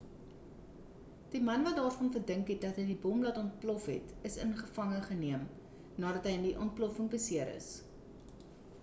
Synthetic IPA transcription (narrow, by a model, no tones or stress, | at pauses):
d̥imɐnvɐtdɑːrfɔnfərdəŋkɦɛt̚dɐtɦəjdibɔmlɐtɔnt̚plɔfɦɛ̰təsə̰nχəfɐŋəχəniəm | nɑːɾɐtɦəjəndiʔɔnt̚plɔfəŋbəsiəɾə̰s